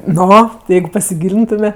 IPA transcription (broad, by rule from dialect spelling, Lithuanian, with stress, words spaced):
ˈnoː ˈjɛɪɡʊ pɐsʲɪˈɡʲiːlʲɪntʊmʲɛ